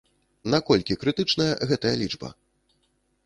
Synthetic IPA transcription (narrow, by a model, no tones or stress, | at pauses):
nakɔlʲkʲikɾɨt̪ɨt͡ʂnɐjɐɣɛt̪ɐjɐlʲid͡ʐbɐ̰